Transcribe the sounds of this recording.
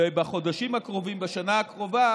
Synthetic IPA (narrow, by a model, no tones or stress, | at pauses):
ebaχo̞d̪aʃimhakʁovimbaʃanaakʁo̞va